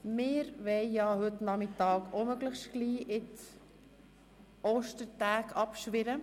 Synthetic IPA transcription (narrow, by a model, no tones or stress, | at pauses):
mɪːɾʋɛɪjɑːɦʏt̪nɑmɪtɑːɡomœɡləxʃtɡ̥liːʔɪt | oːʃtəɾtæːkʰɑpʃʋɪɾə